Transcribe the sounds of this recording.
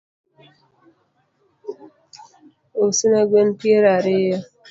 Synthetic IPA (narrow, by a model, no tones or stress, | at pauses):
osɨnaɡenpjeɾaɾeja